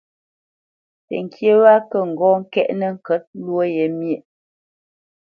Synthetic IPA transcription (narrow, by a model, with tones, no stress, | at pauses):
tə̰˨ŋ˨kje˦wa˦kə˦˨ŋ̩˨ɡɔː˦ŋ̩˦kɛ˦ʔnə˦ŋ̩˨kə˨˦t̚lwo˦je˨˦mje˨ʔ